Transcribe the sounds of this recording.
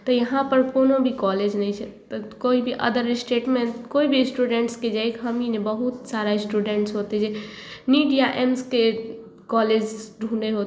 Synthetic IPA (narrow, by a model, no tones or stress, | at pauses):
t̪əjəɦãpəɾkonobʱikɔled͡ʒnɛjt͡ʃʰɛt̪ɔkoibʱiʔə̰d̪əɾsʈeʈmeɳʈ̪koibʱisʈuɖeɳʈsked͡ʒajkʰɦəminebəɦut̪saɾaɪsʈuɖeɳʈsɦot̪ɛd͡ʒe | miɖijaʔemske | kɔled͡ʒɖʱũɖeɦot̪